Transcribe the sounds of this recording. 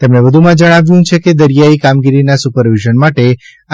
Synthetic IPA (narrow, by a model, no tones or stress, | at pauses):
t̪emɳeʋəd̪ʱumãd͡ʒəɽ̃aʋjũt͡ʃʰeked̪əɾjaikamɡiɾinasupəɾʋiʒənmaʈe